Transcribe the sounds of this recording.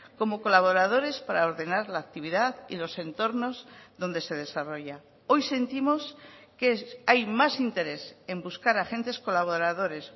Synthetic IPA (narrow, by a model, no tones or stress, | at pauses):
ko̞mo̞ko̞laβ̞o̞ɾað̞o̞ɾe̞spaɾao̞ɾðe̞naɾlaːk̚t̪iβiðaðḭlo̞se̞nt̪o̞ɾno̞zðo̞nd̪e̞se̞ð̞e̞saro̞ʝa | o̞jse̞nt̪imo̞skeajmasint̪e̞ɾe̞se̞mbuskaɾaxe̞nt̪e̞sko̞laβ̞o̞ɾaðo̞ɾe̞s